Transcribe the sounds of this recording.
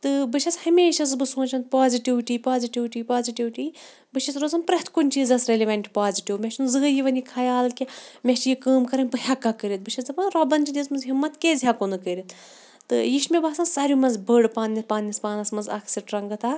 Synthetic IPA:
t̪ɨbɨʃʰɐt͡shɐmʲeːʃɐzɨbɨsõːnt͡ʃʰɐn̚paːziʈiʋʈiːpaːziʈiʋʈiːpaːziʈiʋʈi | bɨʃʰɐt͡sɾoːzɐnpɾɐht̪ʰkunʲt͡ʃiːzɐsɾelʲiʋɐɳʈʲpaːziʈiwmʲet͡ʃʰinzɨːjiʋɐnʲikʰajaːlkʲimʲeʃjikəːmkɐɾɐnpɨhʲɐkːakəɾʲit̪̚bɨʃʰɐsɨpɐnɾɐbɐnt͡ʃid̪ʲismɐnzɦimːɐt̪keːzʲɦakonɨkəɾʲit̪ʰ | t̪ɨjiʃmʲebasɐnsɐɾumɐnzbəɽpaːnnʲɐspaːnnʲispaːnɐsmɐnzɐkʰsiʈɾɐŋɡɨt̪ʰa

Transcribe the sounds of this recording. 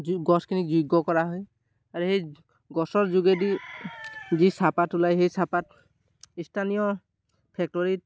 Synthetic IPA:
ɡɔskʰinizuɡɔkɔɹaɦɔj | aɹuhej | ɡɔsɔɹzuɡedi | zisapatulajɦejsapat | istʰanijɔ | pʰɛk̚tɔɹit

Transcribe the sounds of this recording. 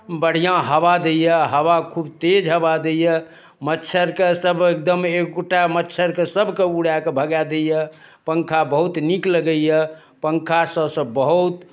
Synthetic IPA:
bəɽ̤ijãɦəbad̪ejəɦəβakʰubt̪ed͡ʒɦəbad̪ejə | mətːt͡ʃʰəɾkesəbek̚d̪əmekːoʈamətːt͡ʃʰəɾkesəbʱkeuɽjakebʱəɡɛd̪ejə | pəŋkʰabəɦut̪nikləɡəjə | pəŋkʰasəbsə̃bəɦut̪

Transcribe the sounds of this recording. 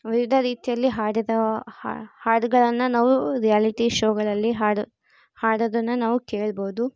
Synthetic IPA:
ʋiʋid̪ʱɐɾiːt̪jɐlːiɦaːɽɐd̪ɐ̰ | haːɖɡɐɭɐnːɐnaːʋuɾijaːliʈiʃoːɡɐɭɐlːiɦaː | haːɽod̪ɐnːɐnaːʋukeːɭɐboːud̪u

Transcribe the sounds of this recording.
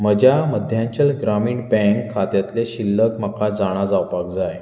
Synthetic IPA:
məd͡ʑjaməd̪ʱjãɲt͡ɕəlɡɾamiːɳpɛ̃ŋkʰːat̪jat̪leɕilːəkməkad͡zaɽ̃ad͡zawpak̚d͡zaj

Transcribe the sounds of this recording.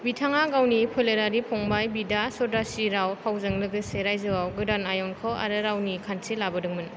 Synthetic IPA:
bitʰaŋaɡawnipʰɯleɾaɾipʰɔŋbajbidasɔdɾasiɾawpʰawzɯŋlɯɡɯseɾajzɯwawɡɯdanajɔnkʰɯwa̰ɾɯɾawnikʰansʰilabɯdɯŋmɯn

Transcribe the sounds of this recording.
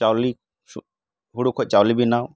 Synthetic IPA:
t͡ʃawli | u | ɦuɽukʰot͡ʃawlibinaw

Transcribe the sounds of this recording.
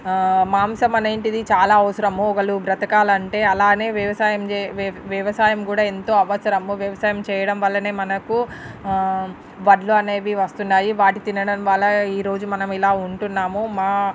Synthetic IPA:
maːmsɐmɐneːɳʈid̪it͡ʃaːlaːɐʋɐsɐɾɐmuɔɡɐlubɾɐt̪ɐkaːlɐɐɳʈe̞ːɐlaːne̞ːʋjɐʋɐsaːjɐmʋjɐʋɐsaːjɐmkuːɽaːent̪o̞ːɐʋɐsɐɾɐmuʋjɐʋɐsaːjɐmt͡ʃɛːjɐɽɐmʋɐlːɐne̞ːmɐnɐku | ʋɐɖluɐne̞ːʋiʋɐst̪unːaːjiʋaːʈit̪inɐɽɐmʋaːlːɐiːɾo̞ːd͡ʒumɐnɐmilaːuɳʈunːaːmumaː

